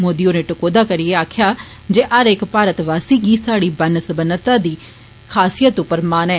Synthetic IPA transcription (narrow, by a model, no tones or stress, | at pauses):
moːd̪ijoːneːʈʊkoːd̪aːkəɾɪeːaːkʰjaː | d͡ʒeːʔəɾɪkpaːɾət̪ʋaːsiːɡiːsaːɽiːbənsəbənət̪ãːd̪iː | kʰaːsijət̪ʊpːəɾmaːnɛː